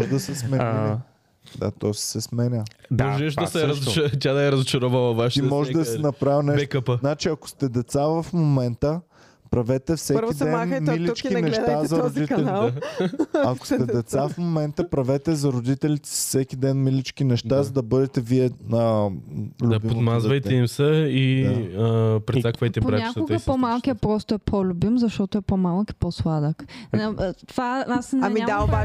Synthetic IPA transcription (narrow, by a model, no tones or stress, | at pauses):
ʒd̪ɐsɛsmɛil | d̪a̰t̪ossɛsmɛnʲəb̪oʒɛʃɐsɛɾɐt̪ʲad̪ɐɛɾɐzʊt͡ʃɐɾɔvəlˠɐvaʃimmɔʒɛd̪ɐsɛnɐpɾavinɛʃɛtkəpəznat͡ʃiɐkʊ̥st̪ɛd̪ɛt̪savɐfmomɛnt̪ə | pɾɐvɛt̪ɛfsɛkid̪ɛnmilit͡ʃkinɛʃazɐɾod̪it̪ɛliɛ | ɐko̥stt̪ɛd̪ɛt̪saffmomɛnt̪əpɾɐvɛt̪ɛzɐɾod̪it̪ɛlit̪ɛ̥si̥fsɛk̟ʲid̪ɛnmilit͡ʃk̟inɛʃt̪azɐd̪ɐbɤd̪ɛt̪ɛviɛə | lʲubipomd̪mazvɐjt̪ɛimsəiəpɾɛt̪akvɐjt̪ɛpɾɛɲak̪oɡ̪əpomalˠkʲiɐpɾɔst̪oɛpʰolʲʊbimzɐʃt̪ɔt̪oɛpomalˠki̥poslˠad̪əknɐt̪vaasnamiad̪aoba